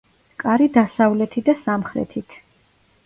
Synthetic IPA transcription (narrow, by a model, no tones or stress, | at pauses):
kʼaɾid̪asavlɛt̪ʰid̪asamχɾɛ̰t̪ʰit̪ʰ